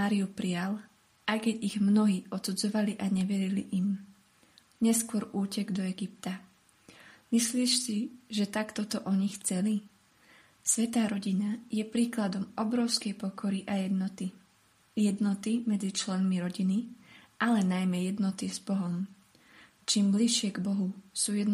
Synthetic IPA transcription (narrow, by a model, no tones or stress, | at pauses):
maːɾiupɾial | ʔajkɛɟiɣmnɔɦiːʔɔt̪sud͡zɔʋaliʔaɲɛʋɛɾiliʔim | ɲɛskʊɔɾuːcɛɡd̪ɔɛɡip̚t̪a | misliːʃsiʒɛt̪akt̪ɔt̪ɔʔɔɲixt͡sɛli | sʋɛt̪aːɾɔɟinajɛpɾiːklad̪ɔmɔbɾɔʊskɛjpɔkɔɾiʔajɛd̪nɔt̪i | jɛd̪nɔt̪imɛd͡zit͡ʃlɛnmiɾɔɟiniʔalɛnajmɛjɛd̪nɔt̪izbɔɦɔm | t͡ʃimbliʃɪɛɡbɔɦusuːjɛd̪